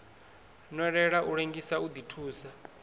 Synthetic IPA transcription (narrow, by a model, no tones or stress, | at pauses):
nɔɺɛɺaʔuɺeŋɡisaud̪itʰuːsa